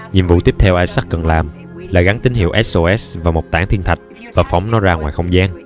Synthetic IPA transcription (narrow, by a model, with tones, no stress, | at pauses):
ɲi˨˩əmvṵ˧˨t̪i˦˥əp̚t̪ʰɛ˧wʔaː˧jsa˦˥k̚kə˨˩nlaː˨˩m | laː˨˩ɣa˨˦ŋt̪ï˨˦ŋ̟hḭ˧˨əwʔɛ˦˥sʔo˧ʔɛ˦˥svaː˨˩mo˨˩t̚t̪aː˧˩ŋt̪ʰi˧ənt̪ʰa˨˩jk̟̚ | vaː˨˩fa˧˦wŋ͡mnɔ˨˦zaː˧ŋwaː˨˩jxə˧wŋ͡mzaː˧n